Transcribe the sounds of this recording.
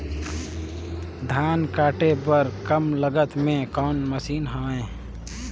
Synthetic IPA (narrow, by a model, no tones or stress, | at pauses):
d̪ʱaːnkaːʈepəɾkəmləɡət̪mẽkɔːnməsiːnɦaːẽ